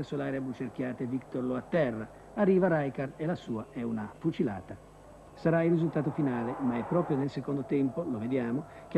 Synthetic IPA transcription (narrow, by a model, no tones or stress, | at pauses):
esolaːɾabut͡ʃerk̟jaːt̪evikt̪oɾloat̪ːɛrːa | arːiːvaɾajkarelasuːaɛunafut͡ʃila̰ːt̪a | saɾailrːizult̪aːt̪ofinaːlemaɛpːɾɔːpɾjonelsekond̪ot̪ɛmpoloved̪jaːmok̟e